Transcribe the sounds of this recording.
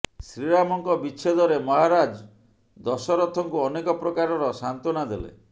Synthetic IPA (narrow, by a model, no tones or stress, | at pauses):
sɾiɾamɔŋkɔbit͡ʃʰed̪ɔɾemɔɦaɾad͡ʒ | d̪ɔsɔɾɔt̪ʰːɔŋkuɔnekɔpɾɔkaɾɔɾɔsant̪ɔnad̪elḛ